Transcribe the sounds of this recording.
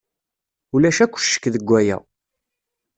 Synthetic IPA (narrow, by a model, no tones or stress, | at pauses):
ulæʃækʷːʃːə̥kːðəɡʷːæjæ̰